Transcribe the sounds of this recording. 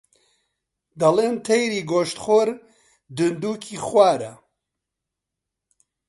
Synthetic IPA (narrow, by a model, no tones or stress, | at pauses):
d̪ɐleːnt̪ʰɛjɾiːɡoːʃt̪χoːɾ | d̪ɨnd̪uːkʰiːxwaːɾɐ̰